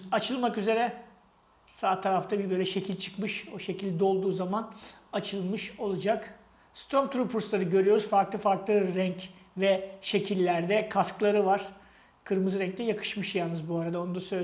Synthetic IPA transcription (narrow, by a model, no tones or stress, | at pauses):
at͡ʃʰɯlˠmakyze̞ɾɛ | saːt̪ʰaɾaft̪ʰabibø̞jlʲɛʃe̞cʰilʲt͡ʃʰɯ̥kmɯʃo̞ʃe̞cilʲd̪ɛo̞lˠd̪uːzamanat͡ʃʰɯlˠmɯʃo̞lˠad͡ʒak | st̪ɾo̞mt̪ʰɾupʰuɾslˠaɾɯɟø̞ɾyjo̞ɾuzfaɾklˠɯfaɾklˠɯɾɛɲc | vɛʃe̞cʰilʲːæɾd̪ɛkʰasklˠaɾɯvaɾ̥ | kʰɯɾmɯzɾɛɲc̚t̪ɛjakʰɯ̥ʃmɯʃjalnɯzbuaɾad̪aonud̪asø